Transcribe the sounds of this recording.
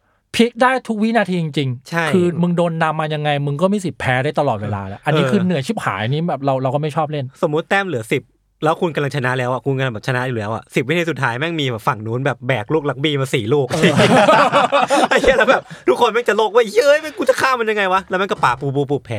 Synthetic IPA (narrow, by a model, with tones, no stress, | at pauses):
pʰi˦˥k̚daː˥˩jt̪ʰu˦˥k̚wi˦˥naː˧t̪ʰiː˧t͡ɕi˧ŋt͡ɕi˧ŋt͡ɕʰa˥˩kʰjʰɯː˧mɯ˧ŋdoː˧nːa˧mːaː˧ja˧ŋːa˧jmɯ˧ŋkɔː˥˩miː˧˩si˨˩t̪̚pʰɛː˦˥ɾaː˥˩jt̪a˧lɔː˨˩weː˧la̰ː˧lɛ˦˥ʔa˧nːiː˦˧˥kʰɯː˧nɯ˨˩˦ət͡ɕʰiː˥˩p̚ha̰ː˩˦jʔa˧nːiː˦˥bɛː˨˩p̚ɾa˧wɾa˧wkɔː˥˩ma˥˩jt͡ɕʰɔː˥˩p̬̚le˥˩nso˨˩˦mːu˦˥t̪ːɛː˥˩mlɯ˨˩˦ɐsi˨˩p̚ | lɛː˦˥wkʰu˧nka˧mla˧ŋt͡ɕʰa˧na˦˥ʔlɛː˦˥wʔa˨˩kʰu˧nka˧la˧ŋbɛː˨˩t͡ɕʰa˧na˦˥ʔi˨lɛː˦˥wʔa̰˨˩si˨˩p̚wi˦˥t̪ʰiː˧su˨˩t̪ʰːaː˦jmɛ˥˩ŋmiː˧bɛː˨˩p̚fa˨˩ŋnuː˦˥nbɛː˨˩p̚bɛː˨˩k̚luː˥˩k̚la˦˥k̚biː˧maː˧siː˨˩luː˥˩k̚si˧˩˥a˧˩i˥˩˨lɛː˦˥wbɛː˨˩p̚t̪ʰuː˥˩kʰːo˧nmɛ˥˩t͡ɕa˨˩lo˥˩k̚wa˦˥jjəː˦˥jmɛ˥˩nku˧nt͡ɕa˨˩kʰaː˥˩ma˧ja˧ŋa˧jwa˦˥lɛː˦˥ma˧˨nkɔ˥˩paː˨˩puː˧puː˧p̬uː˨˩pʰɛː˨˦